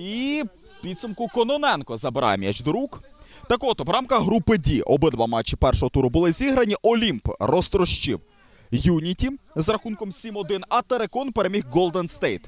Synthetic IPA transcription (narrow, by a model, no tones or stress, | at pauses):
i | pʲid̪sɐmkʊkɔnɔnɛnkɔzɐbɪɾɑ̰jemjɛ̰t͡ʃd̪ɾukt̪ɐkɔt̪ɔʋɾɑmkɐɦɾupɪdʲiʔɔbɪd̪ʋɑmɑt͡ʃːɪpɛrʃɔɦɔt̪uɾʊbʊlˠɪzʲiɦɾɐnʲiʔɔlʲimprɔst̪ɾɔʃt͡ʃḭw | junʲitʲizrɐxunkɔmsʲimɔd̪ɪnɐt̪eɾekɔnpeɾemʲiɦɡɔlˠd̪ɐnst̪ejt̪